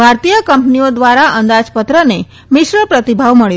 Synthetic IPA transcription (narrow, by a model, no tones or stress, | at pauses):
bʱaɾt̪ijəkəmpniod̪ʋaɾaʔənd̪ad͡ʒpət̪ɾəne | mɪʃɾəpɾət̪ibʱaʋməɭ